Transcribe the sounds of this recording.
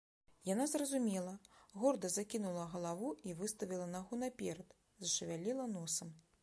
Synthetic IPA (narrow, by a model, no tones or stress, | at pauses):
janazrɐzumʲɛlˠɐɣɔrd̪ɐzakʲinulˠɐɣɐlˠavuivɨst̪ɐvʲilˠɐnaɣunɐpʲɛɾɐt̪ | zɐʂɨvʲalʲilˠɐnɔsɐm